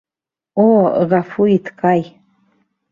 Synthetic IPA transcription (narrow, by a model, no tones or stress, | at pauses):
oɣafuit̪ʰkʼaj